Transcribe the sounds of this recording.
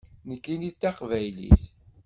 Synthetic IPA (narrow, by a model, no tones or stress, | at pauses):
nəkːinit̪ːɑqvæjlḭθ